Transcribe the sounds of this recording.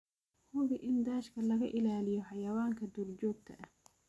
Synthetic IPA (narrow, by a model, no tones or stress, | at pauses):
hʊɣɪʔɪnd̪aːʃkʰɐlɐɣɐʔɪlaːlɪjɔħɑjɐwaːŋkʰɐd̪uːrt͡ʃɔːɡ̚t̪ʰɐ̰ʔɐh